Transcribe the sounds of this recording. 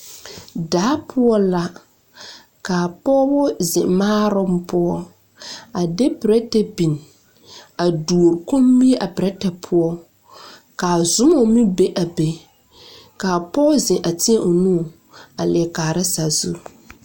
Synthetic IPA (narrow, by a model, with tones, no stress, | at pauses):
daː˨˦pʰʊ˦ɔ˦la˦ | ka˨pɔ˦bɔ˦zɪ˨ʔmaː˦ɾɔ˦m˦pʊ˦ɔ˦ | a˨de˦pɪ˨ɾɛ˦tɛ˨bi˨n˨ | a˨du˨o˨ɾko˦m˦bi˦e˦ʔa˨pɾɛ˦tɛ˨pʰʊ˦ɔ˦ | ka˨zʊ˦mɔ˦mi˦be˦ʔa˨be˨ | ka˨pɔ˦zɪ̃˨ʔa˨tɪ˦ɛ˦ʔo˨nu˦˨ | a˨lɪ˨ɛ˨kaː˨ɾɪ˦sa˨zu˦